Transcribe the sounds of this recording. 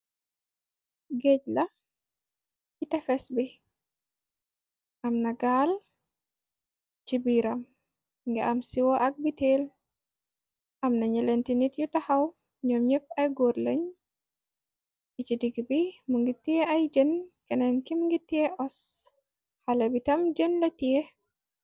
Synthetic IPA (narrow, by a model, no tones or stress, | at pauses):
ɡeɟla | t͡ʃitɛfɛsbi | ʔamnɐɡaːl | t͡ʃibiɾam | ŋɡɛ̰ʔamsiwɔʔɐk̚biteːl | ʔamnaɲəlentinitjutahaw | ɲɔmɲəp̚ɐjɡoɾləɲ | it͡ʃidiɡbimuŋɡitiɛajd͡ʒənkɛnɛnkimuŋɡitːiɛʔɔs | halabitɐmd͡ʒənlɐtiɛ